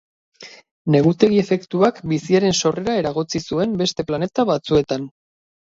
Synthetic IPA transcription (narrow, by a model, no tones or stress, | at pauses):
ne̞ɣut̪e̞ɣie̞fe̞kt̪uakbisiaɾe̞nso̞re̞ɾaeɾaɣ̞o̞t͡sisue̞mbe̞st̪e̞plane̞t̪aβat͡sue̞t̪an